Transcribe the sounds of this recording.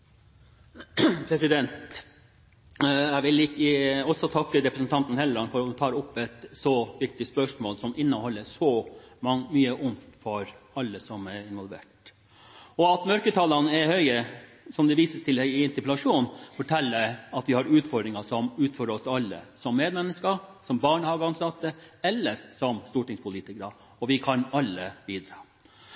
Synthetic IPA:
pʰɾɛsɪd̪ɛnt̪ | æɪʋɪlɪkːəɔsːɔt̪ʰɑkːəɾɛpɾəsənt̪ʰɑnt̪nhɛləɾɑnfɔɾɔt̪ʰɑːɾʊpːɛt̪sɔʋɪk̚t̪ɪspœʂmoːlsɔmʔɪnːəhɔlːəsɔmɑŋmyːəʔʊnt̪fɔɾɑlːəsɔmɛɪnʋɔlʋḛːʈ | ɔɑt̪mœɾkət̪ʰɑlɑnəɛhœʏə | sɔmd̪ɛʋiːsəst̪ʰɪlhœʏɪɪnt̪ɪplɑʂuːnfɔʈʰɛlːəæɑt̪ʋɪhɑɾʉːt̪fɔɖ̪ɾɪŋɑsɔmʉːt̪fɔɾəɔsɑlːə̰sɔmːeːd̪mɛnːəskɑsɔmbɑːɳəhɑɡɑnsɑt̪ːəɛlːəɾsɔmst̪uːʈɪŋspʰʊliːt̪ɪkəɾə | ɔʋɪkʰɑnɑlːəbiːd̪ɾɑː

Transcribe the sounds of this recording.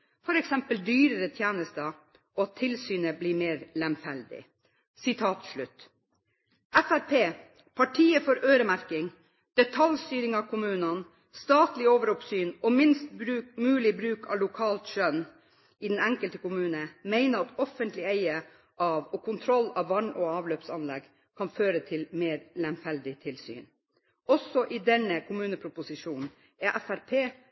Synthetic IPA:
fɔɾɛksɛmpəld̪yːɾəɾət̪ʰjæːnəst̪ə | ɔɑt̪ʰːɪlsyːnəbliːɾmeːɾlɛmfæld̪ɪ̰ | sɪt̪ʰɑːt̪ʂɭʉt̪ | ʔæfæɾpʰeː | pʰɑʈʰiːəfɔɾøːɾəmæɾkɪŋ | d̪̥ɛt̪ʰɑljst̪yːɾɪŋɑːkʰʊmʉːnɑn | st̪ɑːt̪lɪoːʋəɾɔpsyːnɔmɪnst̪bɾʉːmʉːlɪbɾʉːkʰɑ̰ʋlʊkʰɑːlt̪ʃœn | ɪd̪ɛnɛŋkəlt̪əkʊmʉːnəmeɪnəɾɑt̪ɔfənt̪lɪeɪə | ʔɑːʋɔkʰʊnt̪ʰɾɔlːɑʋːɑɳɔɑːʋløːpsɑnlɛ̰ɡ | kʰɑnføːɾət̪ʰɪlmeːɾlɛmfɛld̪ɪt̪ʰɪlsy̰ːn | ɔsɔʔid̪ɛnːəkʰʊmʉːnəpʰɾʊpʊsɪʂuːnn | æʔæfæɾpʰeː

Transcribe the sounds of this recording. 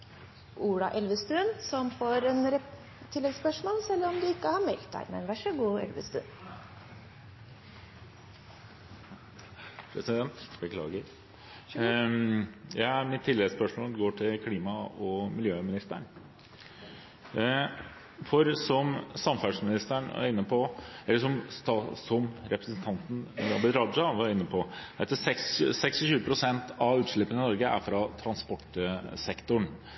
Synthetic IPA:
ʔuːɽɑʔɛlʋəst̪ʉnsɔmfoːɾɛnɾɛ | t̪ʰɪlːɛɡspœʂmoːlsɛlːɾɔmd̪ʉɪkːəhɑɾmɛlkt̪̚d̪æ̰ɪmɛ̰nʋæʂəɡuːɛ̰lʋə̰st̪ʉ̰n | pʰɾɛsɪd̪ɛnt̪bəkʰlɑ̰ːɡə | jæɪæmɪt̪ʰːɪlːɛɡspœʂmoːlɡoːʈʰɪlkʰliːmɑɔmɪljøːmɪnɪst̪ə̰ɳ | fɔɾsɔmsɑmfæʂmɪnɪst̪æɳæ̰ɾɪnːəpʰɔɛlːəʂɔmst̪ɑsɔmɾɛpɾəsn̩t̪ʰɑnt̪n̩d̪ɑbɪd̪ɾɑd̪ɾɑʋɑɾɪnːəpʰɔd̪ɛt̪ːəsɛkssɛksɪʃʉːəpʰɾʊsɛnt̪ʰɑʉːt̪ʂɭɪpːənɪnɔɾɡəæ̰ɾfɾɑt̪ʰɾɑnspɔʈsɛkt̪ʊɳ

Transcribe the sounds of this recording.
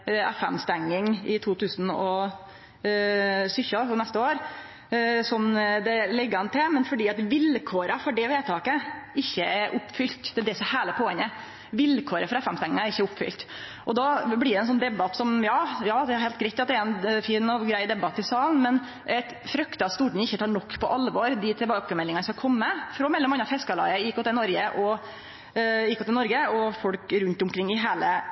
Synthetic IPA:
ɛfɛ̰mst̪ɛŋːɪŋɪt̪ʰuːt̪ʰʉːsn̩ɔ | sʏçɑɔnɛst̪əoːɾ | sɔmd̪ɛlɛɡːəhɑnt̪ʰɪlmɛnfɔɖiːɑt̪ʋɪlkʰoːɾəfɔɖɛʋeːt̪ʰɑːkəɪçːəæɾʔʊpːfʏlt̪d̪̥ɛæd̪ɛsɔhæːɭəpʰoːɛŋə | ʋɪlkʰoːɾəfɔɾɑɛfɛmst̪ɛŋːɪŋɑæɾɪçːəʊpːfʏ̰lt̪ | ʔɔd̪ɑblɪɖɛnsɔnːd̪ɛbɑt̪sɔmjɑːjɑːd̪ɛhɑɾhɛɪlt̪ɡɾɛɪt̪ːɑt̪̚d̪ɛæɾɛnfiːnɔɡɾæɪd̪ɛbɑt̪ːɪsɑːln̩mɛn | ʔɛt̪ | fɾœkt̪ɑst̪uːʈn̩ɪçːət̪ʰɑːɳɔkːpʰɔʔɑlʋɔɾd̪ɪt̪ʰɛbɑːkəmɛlːɪŋɑnəskɑlkʰɔmːəfɾɔmɛlːɔmɑnːɑfɛskɑlɑ̰ːəjɪkːɔt̪ʰːɛnɔɾɡəʔɔ | jiɪkːɔt̪ʰːɛnɔɾɡəɔfɔlkɾʉnt̪ʊmkʰɾɪŋːɪɦeːlə

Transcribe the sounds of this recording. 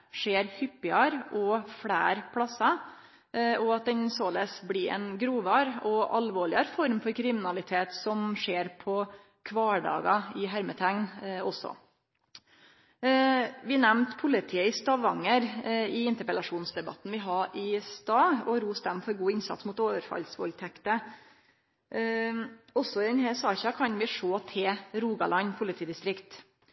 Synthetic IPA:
ʂeːɾhʏpːɪɑɾʔɔfɽæːɾpʰɽɑsːɑ | ɔɑt̪̚d̪ɛnsoːlɛsblɪɛ̰nɡɾuːʋɑɾɔɑlʋoːɭɪɑɾfɔɾmfɔɾkʰɾɪmɪnɑlɪt̪ʰeːt̪sɔmʂeːɾpʰɔ | kʰʋɑːɖɑ̰ːɡɑɪɦæɾmət̪ʰæŋnɔsːɔ̰ | ʋɪnɛmnt̪pʰʊlɪt̪ʰiːəɪst̪ɑʋɑŋːəɾɪɪnt̪əɾpɛlɑʂuːnsd̪ɛbɑ̰t̪n̩ʋɪɦɑʔɪst̪ɑːɔɾuːst̪ɛmfɔɾɡuːɪnsɑ̰t̪smuːt̪oːʋəɾfɑ̰lsʋɔ̰lt̪ʰɛkt̪ə | ɔsːɔɪd̪ɛnhæsɑːçɑkʰɑnʋɪʂoːt̪ʰeːɾuːɡɑ̰lɑɲpʰʊlɪt̪ʰiːd̪ɪst̪ɾɪkt̪

